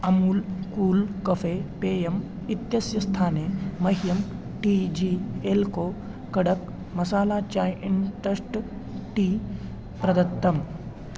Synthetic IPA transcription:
ɐmulkuːlkɐfepeːjɐm | it̪jɐsjɐst̪ʰaːnemɐɦjɐm | ʈid͡ʒielkoː | kɐɽɐk | mɐsaːlaːt͡ʃaːjʔiɳʈɾɐsʈʈiː | pɾɐd̪ɐt̪ːɐm

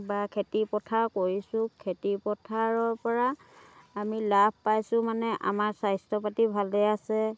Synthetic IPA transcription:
bakʰetipɔtʰaɹkoɹisʊ̃kʰetipɔtʰaɹɔɹpɔɹaː | milabʱpajsʊ̃manɛʔa̰maɹsajstʰɔpatibʱalɛasɛ

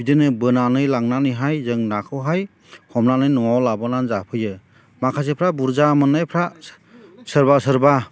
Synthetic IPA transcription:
bidɯnɯbɯnanɯjlaŋnanɯjɦajzɯŋnakʰɯwɦaj | hɔmnanɯjnɔwawlabɔnanzapʰɯjɯ | makʰas̬epʰɾabuɾzamɯnːajpʰɾa | sɯɾbasɯɾba

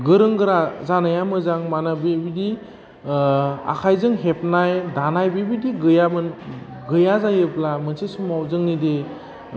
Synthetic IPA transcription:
ɡɯɾɯŋɡɯɾazanajamɯzaŋmanabibidi | a̰kʰajzɯŋɦepnajdanajbibidiɡɯjamɯn | ɡɯjazajɯplamɯnsesumawzɯŋnide

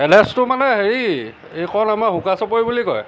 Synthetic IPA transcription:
ɛlɛstʊmanɛxeɹ | ejkʰɔnamaxukasɔpoɹjbulikɔ̰j

